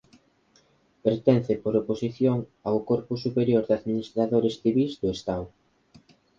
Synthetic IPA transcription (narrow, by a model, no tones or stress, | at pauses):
peɾt̪ɛn̟θɪpoɾoposiθjoŋawkoɾpʊsupeɾjoɾðaðminist̪ɾaðoɾesθiβizd̪ʊest̪aw